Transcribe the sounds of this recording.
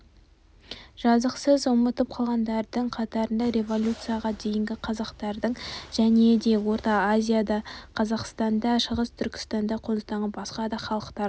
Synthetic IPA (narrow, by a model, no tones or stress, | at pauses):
ʒ̥ɑzəqsəzʊmət̪əp̚qʰɑlˠʁɑnd̪ɑɾd̪əɴqʰɑt̪ɑɾənd̪ɑɾʲe̞vo̞lʲut̪sɨjaʁɑd̪e̞jɪŋɡʲɪqʰɑzɑqt̪ɑɾd̪əɴʒ̥æne̞d̪e̞wo̞ɾt̪ɑazʲijad̪ɑqʰɑzɑqst̪ɑnd̪ɑʃəʁəst̪ʰʏɾkʲɪ̥st̪ɑnd̪ɑqʰont̪ɑɴəbɑsqɑd̪ɑχɑlˠəqt̪ɑɾ